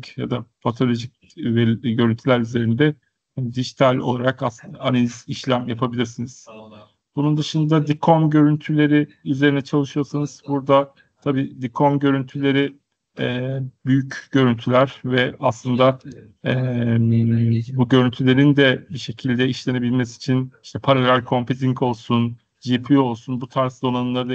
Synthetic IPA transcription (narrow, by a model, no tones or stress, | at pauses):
ja̰d̪apʰat̪ʰo̞lʲo̞ʒic̚ | veɟø̞ɾynt̪ʰylʲæɾyze̞ɾind̪ɛ | hand̪iʒit̪ʰalʲo̞̰lˠaɾakaslˠɯnd̪aːnelʲiziʃlʲæmjapʰabilʲiɾsiniz̥ | b̥unund̪ɯʃɯnd̪ad̪ikʰomɟø̞ɾynt̪ʰylʲe̞ɾiyze̞ɾinɛt͡ʃʰalˠɯʃɯjo̞ɾsanɯz̥buɾd̪a | t̪ʰabiːd̪ikʰomɟø̞ɾynt̪ʰylʲe̞ɾi | ɛːbyjycɟ̥ø̞ɾynt̪ʰylʲæɾvɛaslˠɯnd̪a | ɛ | buɟø̞ɾynt̪ʰylʲe̞ɾind̪ɛbiʃe̞cʰilʲd̪ɛiʃlʲe̞ne̞bilʲmɛsi̥t͡ʃʰiniʃt̪ʰɛpʰaɾalʲælʲkʰo̞mpʰeziŋko̞lˠsun | d͡ʒipʰio̞lˠsunbut̪ʰaɾsd̪o̞nanɯnˠaɾɯd̪a